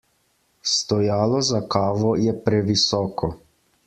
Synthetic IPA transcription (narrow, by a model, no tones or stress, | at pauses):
st̪ɔjaːlɔzakaːʋɔjɛpɾɛʋisɔːkɔ